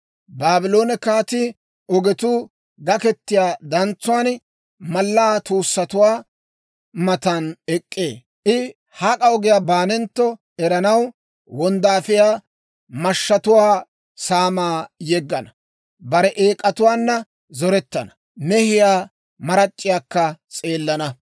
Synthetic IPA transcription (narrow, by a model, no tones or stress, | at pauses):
baːbɪlo̞ːnɛkaːt̪ɪ | ɔɡɛt̪uː | ɡɐkɛt̪ːɪjaːd̪ɐnt͡sːʊwaːn | mɐlːaːt̪uːsːɐt̪ʊwaː | mɐt̪ɐnɛkʼːḛː | ʔɪ | hakʼɐɔɡɪjaːbaːnɛnt̪ːɔ | ɛɾɐnɐw | wɔnd̪aːfɪjaː | mɐʃːɐt̪ʊwaː | saːmaːjɛɡːɐnɐ | bɐɾɛʔeːkʼːɐt̪ʊwaːnːɐ | zɔɾɛt̪ːɐnɐ̥ | nɛhɪjaː | mɐɾɐt͡ʃʼːɪjaːkːɐt͡sʼe̞ːlːɐnɐ